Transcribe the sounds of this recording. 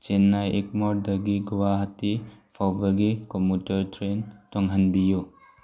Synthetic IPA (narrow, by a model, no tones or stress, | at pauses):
t͡ʃenːajek̚mɔɾdɐɡiɡuwaɦatːipʰawbaɡikɔmutɐɾtʰɾentɔŋɦɐnbiju